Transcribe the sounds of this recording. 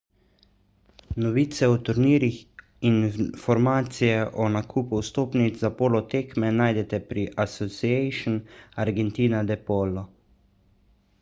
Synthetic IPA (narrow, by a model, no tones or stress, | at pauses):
nɔʋiːt̪sɛɔt̪uɾniːɾix | infɔɾmaːt̪sijɛʔɔnakʰuːpuwst̪oːpnizzapoːlɔt̪eːkmɛnaːjd̪ɛt̪ɛpɾiʔasɔsiɛjʃɔnaɾɡɛnt̪iːnad̪ɛpoːlɔ